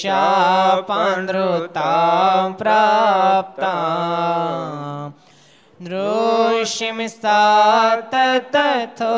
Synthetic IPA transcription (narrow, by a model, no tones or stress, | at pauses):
apãnd̪ɾot̪apɾaːp̚t̪a | d̪ɾoʃimisaːt̪ɐt̪ɐt̪ʰo